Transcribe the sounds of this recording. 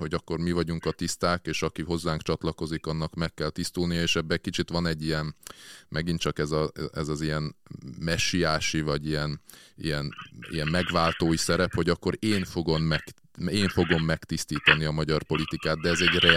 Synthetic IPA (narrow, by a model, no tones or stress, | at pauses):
ho̞ɟɒkːo̞rmivɒɟuŋkɒt̪ist̪aːkeːʃɒkiɦo̞zːaːŋkt͡ʃɒt̪lɒko̞zikɒnːɒkmɛkːɛlt̪ist̪ulnijɒeːʃɛbːɛkit͡ʃit̪ʋɒnɛɟːijɛnmʔɛɡint͡ʃɒkɛzɒɛzɒzijɛnmɛʃijaːʃivɒɟijɛnḭjɛnḭjɛmmɛɡʋaːlt̪oːisɛɾɛpho̞ɟɒkːo̞ɾeːnfo̞ɡo̞mːɛk | eːɱfo̞ɡo̞mːɛkt̪ist̪iːt̪ɒniɒmɒɟɒrpo̞lit̪ikaːt̪̚d̪ɛɛzɛɟrɛ